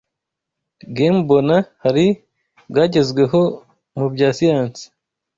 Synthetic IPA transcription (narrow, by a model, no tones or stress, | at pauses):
ɡeːmbo̞nahaɾi | bɡaːɟe̞zɡwe̞ɦo̞ | mubɟaːsijaːnsi̥